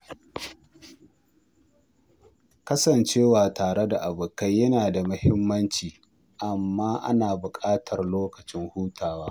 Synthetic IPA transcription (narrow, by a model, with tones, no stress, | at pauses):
kɐ˦sɐ˨nt͡ʃeː˦waː˨taː˨ɽe˦da˨ʔa˨bʊ˨ka˦jjɐ˦naː˨da˨mʊ˦hɪ˦mːɐ˦nt͡ʃiː˨ | ʔa˨mːaː˦ʔa̰˦naː˨bʊ˨kʼaː˦tʰɐ˨rloː˦kɐ˨t͡ʃɪ˦ŋhuː˦tʰaː˨waː˦